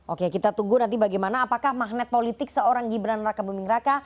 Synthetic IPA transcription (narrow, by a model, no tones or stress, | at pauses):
ʔokekit̪at̪uɡunant̪ibaɡajmanaːpakahmaɦnɛt̪̚polit̪ɪksəoɾaŋɡibɾanrakabumɪŋraka